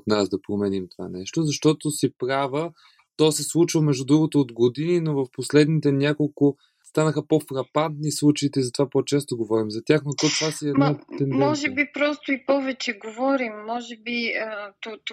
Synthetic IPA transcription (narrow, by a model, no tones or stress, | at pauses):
ot̪nazd̪ɐpɾomɛnimt̪ova̰nɛʃt̪ozɐʃt̪ɔt̪osipɾavə | t̪ɔsɛslˠut͡ʃvəmɛʒd̪ud̪ɾuɡot̪oːd̪ɡod̪ininovəfposlɛd̪nit̪ɛnʲjakolˠkʊ | st̪anəxəpofɾɐpant̪nislˠut͡ʃɐit̪ɛizɐt̪ovapot͡ʃɛst̪oɡovɔɾimzɐt̪ʲjaxnot̪ɔt̪vasiɛnat̪ɛnmɔʒɛbipɾɔst̪ʊipɔvɛt͡ʃɛɡovɔɾimːɔʒɛbiət̪o